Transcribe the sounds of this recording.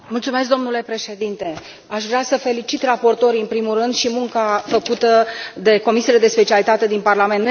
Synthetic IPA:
mult̪sume̞s̬k̚d̪o̞mnule̞pɾe̞ʃe̞d̪int̪e̞ | aʃvɾeasəfe̞lit͡ʃit̪rapo̞rt̪o̞ɾiɨnpɾimurɨnd̪ʃimuŋkafəkut̪əd̪e̞ko̞misijele̞d̪e̞spe̞t͡ʃialit̪at̪e̞d̪inparlament̪

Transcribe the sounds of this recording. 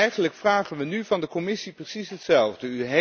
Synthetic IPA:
ɛjχənləkfraːχənʋənyvɑndəkɔmɪsiprəsisɦətsɛlˠvdəyɦe

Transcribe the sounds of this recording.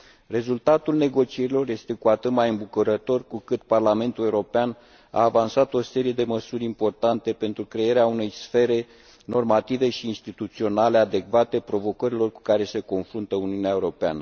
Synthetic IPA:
re̞zult̪at̪ulne̞ɡo̞t͡ʃie̞ɾilo̞rje̞st̪e̞kuat̪ɨt̪majɨmbukuɾət̪o̞rkukɨt̪parlame̞nt̪ule̞uɾo̞pean | a̰ːvansat̪o̞se̞ɾije̞d̪e̞məsuɾʲimpo̞rt̪ant̪e̞pe̞nt̪ɾukɾe̞eɾeaune̞jsfe̞ɾe̞ | no̞rmat̪ive̞ʃiːnst̪it̪ut̪sio̞nale̞ad̪e̞kvat̪e̞pɾo̞vo̞kəɾilo̞rku̥kaɾe̞se̞ko̞nfɾunt̪əuniuneaeuɾo̞pea̰nə

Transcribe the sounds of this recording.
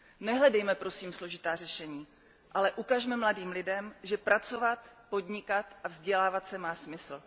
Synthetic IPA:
nɛɦlɛdɛjmɛpɾo̞siːmslo̞ʒɪt̪aːrɛʃɛɲiː | ʔalɛʔukaʒmɛmladiːmlɪdɛmʒɛpɾat͡sovat̪po̞dɲɪkat̪ʔavzɟɛlaːvat̪sɛmaːsmɪsl̩

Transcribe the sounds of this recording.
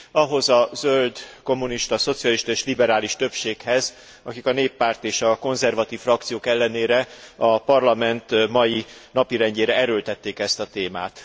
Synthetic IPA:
ɒɦo̞zɒzøld̪ko̞mːuniʃt̪ɒso̞t̪sijɒliʃt̪ɒeːʃlibɛɾaːliʃt̪ø̞pʃeːkhɛz | ɒkikɒneːpːaːrt̪eːʃɒko̞nzɛrvɒt̪iːfrɒk̚t̪sijoːkɛlːɛneːɾɛɒpɒrlɒmɛnt̪mɒjinɒpiɾɛɲɟeːɾɛɛɾølt̪ɛt̪ːeːkɛst̪ɒt̪eːma̰ːt̪

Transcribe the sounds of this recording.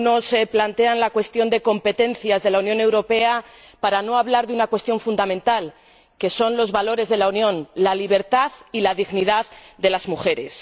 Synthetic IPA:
no̞seplant̪e̞anlakwe̞st̪jo̞nd̪e̞ko̞mpe̞t̪ẽ̞nθjazðe̞launjone̞wɾo̞pe̞a | paɾano̞aβlaɾðunakwe̞st̪jo̞ɱfund̪amẽ̞nt̪al | ke̞so̞nlo̞zβalo̞ɾe̞zðe̞launjõ̞nlaliβ̞e̞ɾt̪aðilaðiɣniðaððe̞lazmuxe̞ɾe̞s

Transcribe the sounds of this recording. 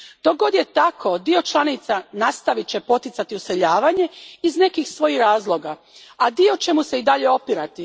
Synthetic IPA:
d̪̥o̞ɡo̞d̪jet̪akʰo̞d̪io̞t͡ʃlˠanit̪sanast̪aʋit͡ɕe̞po̞t̪it̪sat̪iuse̞ʎaːʋaɲe̞izne̞kixsʋo̞jixɾaːzlˠo̞ɡa | ad̪io̞t͡ɕe̞muse̞id̪aʎe̞o̞piɾat̪i

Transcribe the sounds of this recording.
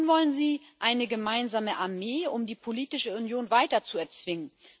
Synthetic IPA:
nvɔlənziː | ʔaɪnəɡəmaɪnzaːməʔaɐmeːʊmdiːpʰoliːtɪʃəʊnjoːnvaɪtɐt͡suɛɐt͡sv̥ɪŋən

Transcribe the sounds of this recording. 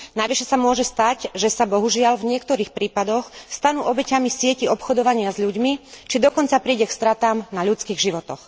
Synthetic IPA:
najʋiʃɛsamʊɔʒɛst̪aɟʒɛsabɔɦuʒɪaʎvɲɪɛkt̪ɔɾiːxpɾiːpad̪ɔxst̪anuːʔɔbɛcamisɪɛciɔpxɔd̪ɔʋaɲɪazʎuɟmit͡ʃid̪ɔkɔnt͡sapɾiːɟɛkst̪ɾat̪aːmnaʎut͡skiɣʒiʋɔt̪ɔx

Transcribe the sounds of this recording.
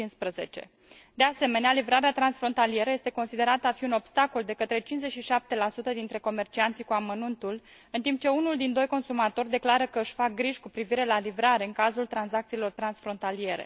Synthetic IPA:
inspɾəze̞̰t͡ʃe̞̰ | d̪e̞ase̞me̞nealivɾaɾeat̪ɾansfɾo̞nt̪alije̞ɾəjest̪e̞ko̞nsid̪e̞ɾat̪əafiuno̞bst̪ako̞ld̪e̞kət̪ɾe̞t͡ʃinzeʃiʃap̚t̪e̞lasut̪əd̪int̪ɾe̞ko̞me̞rt͡ʃiant̪sʲikuamənunt̪ul | ɨnt̪imp̚t͡ʃe̞unuld̪ind̪o̞jko̞nsumat̪o̞rʲd̪e̞klaɾəkəɨʃʲfak̚ɡɾiʒkupɾiviɾe̞lalivɾaɾe̞ɨŋkazult̪ɾansak̚t̪silo̞rt̪ɾansfɾo̞nt̪alie̞ɾe̞̰

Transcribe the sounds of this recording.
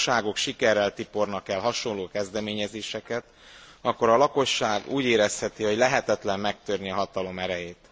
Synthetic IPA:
ʃaːɡo̞kʃikɛrːɛlt̪ipo̞rnɒkɛlɦɒʃo̞nlloːkɛzd̪ɛmeːɲɛzeːʃɛkɛt̪ | ɒkːo̞ɾɒlɒko̞ʃːaːɡuːɟeːɾɛshɛt̪ihoɟlɛɦɛt̪ɛt̪lɛmːɛk̚t̪ørniɒɦɒt̪ɒlo̞mɛɾɛjeːt̪

